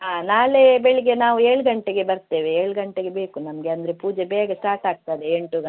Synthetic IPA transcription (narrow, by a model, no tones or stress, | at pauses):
ɦaːnaːlebɛɭiɡe̞naːʋueːɭɡɐɳʈeɡe̞bɐɾt̪e̞ːʋeeːɭɡɐɳʈeɡe̞beːkunɐmɐɡe̞ɐnd̪ɾe̞puːd͡ʒebɛːɡɐsʈaːɾʈaːɡ̚t̪ajd̪eeɳʈuɡɐ